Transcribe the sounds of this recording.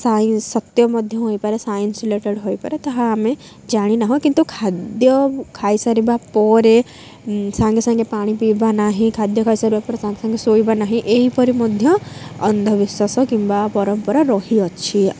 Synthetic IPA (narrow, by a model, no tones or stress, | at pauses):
sansɔt̪jɔmɔd̪ʱjɔ̃ɦoipɐɾesaːjinsileʈeɽɦoipɐɾet̪ɐɦãːmẽ | d͡ʒaːɽ̃inaɦokĩnt̪ukʰaːd̪jɔkʰaːjsaɾibapɔɾe | sãːŋɡesãŋɡepaːɽ̃ipibanaɦĩkʰaːd̪jɔkʰaːjsaɾibapɔɾesãːŋɡesɐ̃ŋɡesoibanaɦĩʔeɦipɔɾimɔd̪ʱjɔ̃ɐnd̪ʱɔʋɪsasɔkĩmbapɔɾɔmpɔɾɔɾɔɦiɔtːʃʰi